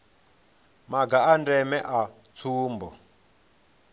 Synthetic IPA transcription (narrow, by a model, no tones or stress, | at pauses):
maɡaandɛmɛʔa | t͡sʰuːmbɔ̰